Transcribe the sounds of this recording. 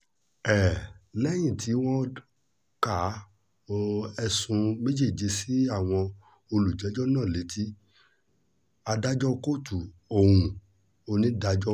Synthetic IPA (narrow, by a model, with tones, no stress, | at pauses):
ɛ˨lɛ˦j̃ĩ˦˨tʰi˨˦w̃ɔ̃˦ | ka˨˦˧ | ɛ˧sũ˧me˦d͡ʒi˦˨d͡ʒe˧si˦a˦˨w̃ɔ̃˧ | o˧lu˨d͡ʒɛ˨˦d͡ʒɔ˦nãː˦˨le˨˦tʰi˦ | a˧da˦d͡ʒɔ˦ko˦˨tu˨o˨hũ˧ | o˧nĩ˦da˦d͡ʒɔ˦